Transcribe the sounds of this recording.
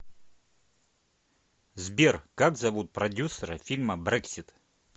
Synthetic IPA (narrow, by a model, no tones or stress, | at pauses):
zbʲerkakzɐvut̪̚pɾɐdʲusəɾəfʲilʲməbɾɛksʲit̪